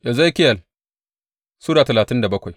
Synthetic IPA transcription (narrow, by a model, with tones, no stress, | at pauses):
ja˨zo˦i˦kʲɪ˦jɐ˨l | suː˦daː˨tɐ˨laː˨tɪ˦nda˨bɐ˦kʷa˨j